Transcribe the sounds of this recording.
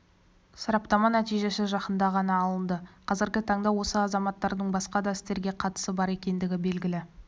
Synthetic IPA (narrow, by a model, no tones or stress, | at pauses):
sɑɾɑpt̪ɑmɑnæt̪ijʒe̞sɪʒɑqənd̪ɑʁɑnɑːlˠənd̪əqʰɑzɪɾɡʲɪt̪ʰɑɴd̪ɑwo̞səɑzɑmɑt̪ːɑɾd̪əɴbɑsqɑd̪ɑɪst̪e̞ɾɡʲe̞qʰɑt̪ə̥səbɑɾe̞kʲe̞nd̪ɪɡʲɪbe̞lɡʲɪlɪ